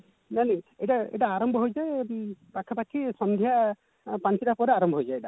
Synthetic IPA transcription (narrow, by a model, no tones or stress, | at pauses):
nanɛejʈaḛʈaːɾɔmbʱɔɦojd͡ʒajpakʰːɔpakʰisɔnd̪ʱja | pãnt͡ʃiʈapɔɾeaɾɔmbʱɔɦojd͡ʒajeʈa